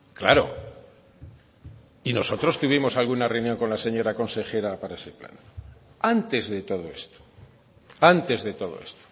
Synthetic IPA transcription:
kla̰ɾo̞̰ | ino̞so̞t̪ɾo̞st̪uβ̞imo̞salɣunareunjo̞ŋko̞nlase̞ɲo̞ɾako̞nse̞xe̞ɾapaɾaese̞pla̰nant̪e̞zðe̞t̪o̞ð̞o̞e̞̰st̪o̥ | ant̪e̞zðe̞t̪o̞ð̞o̰e̞st̪o̥

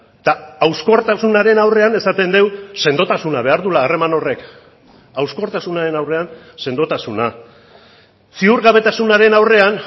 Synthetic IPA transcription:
t̪aawsko̞ɾt̪asunaɾe̞nawre̞ane̞sat̪e̞nd̪e̞wse̞nd̪o̞t̪asunaβ̞e̞aɾðulaːre̞mano̞re̞k | awsko̞ɾt̪asunaɾe̞nawre̞an | se̞nd̪o̞t̪asuna | siuɾɣaβ̞e̞t̪asunaɾe̞nawre̞an

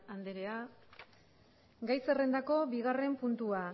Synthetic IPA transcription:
and̪eɾea | ɡajse̞re̞nd̪ako̞biɣ̞are̞mpunt̪ua

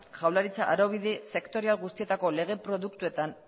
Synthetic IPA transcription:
ʝawlaɾit͡saʔaɾo̞β̞iðese̞kt̪o̞ɾialɣust̪ie̞t̪ako̞le̞ɣ̞e̞pɾo̞ðuk̚t̪ue̞t̪an

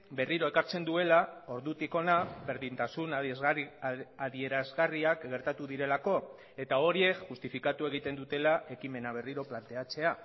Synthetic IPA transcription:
be̞riɾo̞e̞kaɾt͡se̞nd̪ue̞lao̞ɾðut̪iko̞naβe̞ɾðint̪asun | aðie̞ɾazɣariakɡe̞ɾt̪at̪uðiɾe̞lako̞ | e̞t̪ao̞ɾie̞kʝust̪ifikat̪ue̞ɣ̞it̪e̞nd̪ut̪e̞laʔe̞kime̞naβ̞e̞riɾo̞plant̪e̞at͡se̞a

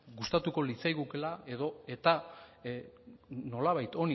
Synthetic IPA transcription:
ɡust̪at̪uko̞lit͡sajɣukelae̞ðo̞e̞t̪a | no̞laβajt̪o̞ni

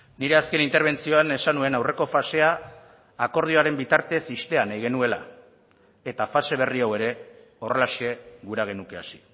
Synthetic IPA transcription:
niɾe̞aske̞nint̪e̞ɾβe̞nt͡sio̞ane̞sanue̞nawre̞ko̞fase̞aː | ko̞ɾð̞io̞aɾe̞mbit̪aɾt̪e̞sist̪e̞anajɣ̞e̞nue̞la̰ | e̞t̪afase̞βe̞riawe̞ɾe̞ | o̞re̞laʃe̞ɣuɾaɣ̞e̞nuke̞asi̥

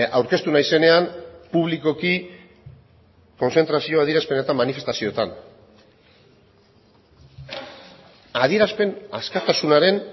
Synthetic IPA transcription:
awɾke̞st̪unajise̞ne̞anpuβ̞liko̞ki | ko̞nse̞nt̪ɾasio̞aðieɾaspe̞ne̞t̪amːanife̞st̪asiot̪a̰n | aðieɾaspe̞na̰skat̪asunaɾe̞n

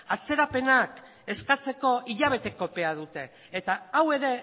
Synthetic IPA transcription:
at͡se̞ɾape̞nak | e̞skat͡se̞ko̞iʎaβ̞e̞t̪e̞ko̞pe̞að̞ut̪e̞ː | t̪aawe̞ɾe̞

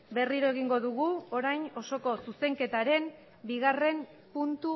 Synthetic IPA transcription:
be̞riɾo̞e̞ɣ̞iŋɡo̞ðuɣuo̞ɾajno̞so̞ko̞suse̞ŋke̞t̪aɾe̞m | biɣare̞m | punt̪u

